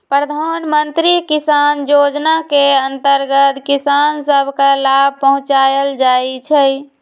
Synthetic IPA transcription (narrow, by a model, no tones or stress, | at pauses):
pɾəd̪ʱanmənt̪ɾikisanjod͡ʒnakeənt̪əɾɡət̪kisansəbʱkalab̚ʱpəɦũt͡ʃajəld͡ʒait͡ʃʰɛ